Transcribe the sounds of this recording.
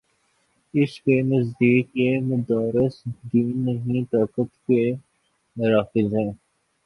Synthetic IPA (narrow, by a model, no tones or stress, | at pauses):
ɪskenɐzd̪iːkːemʊd̪aːɾɪsd̪iːnːɐɦĩt̪aːkət̪ke | mʊɾaːfɪzɦɛ̃ː